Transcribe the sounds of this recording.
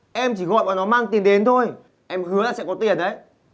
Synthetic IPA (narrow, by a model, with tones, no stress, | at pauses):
ʔɛ˧mt͡ɕi˧˩ɣɔ̰˧˨jɓaː˨˩nɔ˨˦maː˧ŋt̪i˨˩ənɗe˨˦nt̪ʰo˧j | ʔɛ˧mhɨ˨˦əlaː˨˩sɛ̰˧˥kɔ˨˦t̪i˨˩ənɗə˨˦j